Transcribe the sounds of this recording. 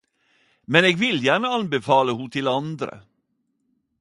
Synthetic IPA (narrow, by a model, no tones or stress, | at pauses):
mɛneːɡvɪljæːɳəɑnbɛfɑːləhʊt̪ʰɪlɑnd̪ɾə̰